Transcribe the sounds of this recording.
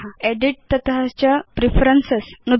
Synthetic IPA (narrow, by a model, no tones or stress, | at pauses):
eɖiʈ̚t̪ət̪ɦat͡ɕjapɾifʰəɾənsesnud̪